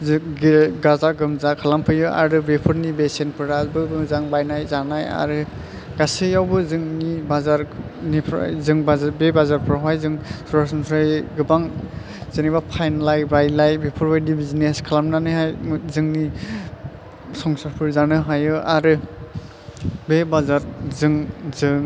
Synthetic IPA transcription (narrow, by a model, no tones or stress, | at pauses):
ɡɡazaɡɯmzakʰalampʰɯjɯʔa̰ɾɯbepʰɯɾnibesenpʰɯɾɾazbɯbɯzaŋbajnajzanaja̰ɾɯ | ɡ̥asɯjawbɯzɯŋnibazaɾnipʰɾa̰jzɯŋbazabebazaɾpʰɯɾaɦajzɯŋsɔɾasɔnpʰɾajɡɯbaŋ | z̥enibapʰajnlajbajlajbepʰɔɾbajdibizineskʰalamnanɯɦajzɯŋni | sɔŋsaɾpʰɯɾzanɯɦajɯʔaɾɯ | bebazaɾzɯŋzɯŋ